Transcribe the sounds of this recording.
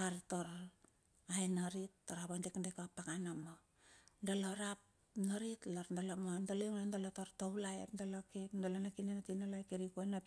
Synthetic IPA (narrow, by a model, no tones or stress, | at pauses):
aɾtoɾo | ajnaɾitːoɾapondekndekapakanamo | ndaloɾap | naɾitlaɾndalomondaloŋnandalotoɾtoulaḛpndalokepdalonakinenatinalajkeɾikojna